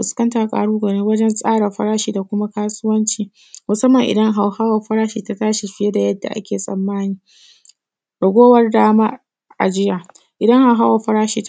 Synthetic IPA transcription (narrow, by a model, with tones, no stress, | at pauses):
ɸʊ˨skɐ˦ntaː˨kʼa̰ː˨ɽuː˦ɡɐ˨ɽɪ˦wɐ˦d͡ʒɛ˦nsʼaː˦ɽɐ˨ɸɐ̰˦ɽaː˦ʃiː˨da˨kʷʊ˦ma˦kaː˦sʊ˦wɐ˦nt͡ʃiː˨ | mʊ˨sɐ˦mːɐ˨ŋʔɪ̰˨dɐ˦ŋɦa˨whaː˦wɐ˨ɸɐ˦ɽaː˦ʃiː˨ta˨taː˦ʃe˨ɸɪ˦je˦da˨jɐ˦dːa̰˨ʔa̰˦kʲeː˨sʼɐ̰˨mːaː˦niː˦ | bɐ˨ɡʷoː˦wɐ˦rdaː˦maː˦ | ʔa̰˨d͡ʒɪ˦jaː˨ | ʔɪ˨dɐ˦ŋha˨wɦaː˦wɐ˨ɸɐ˦ɾaː˦ʃiː˨t